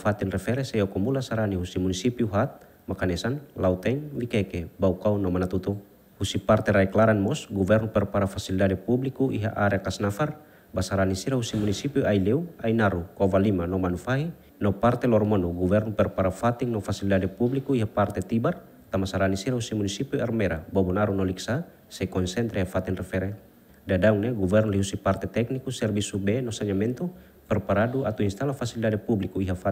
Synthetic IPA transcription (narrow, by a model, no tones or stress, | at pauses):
fat̪inrɛfɛɾɛsɛjɔkɔmulasaɾaniɦusimunisipiuɦat̪̚ | makanɛsanlaut̪ɛŋwikakebaukaunɔmanat̪ut̪u | husipart̪ɛɾaɛklaɾanmɔsɡuvɛrnɔpɛrpaɾafasilidadɛpublikuʔiɦa̰ʔaɾɛakasnafar | basaɾanisiɾaɦusimunisipiailɛuainaɾukɔvalimanɔmanufaɦi | nɔpart̪ɛlɔrmɔnɔɡuvɛrnɔpɛrpaɾafat̪iŋnɔfasilidadɛpublikuiɦapart̪ɛt̪ibar | t̪amasaɾanisiɾausimunisipiarmɛɾabɔbɔnaɾunɔliksa | sɛkɔnsɛnt̪ɾɛɦafat̪ɛnrɛfɛɾɛ | dadauŋneɡuvɛrnɔliɦusipart̪ɛt̪ɛk̚nikusɛrbisubɛnɔsaɲamɛnt̪u | pɛrpaɾaduat̪uinst̪alafasilidadɛpublikuiɦafa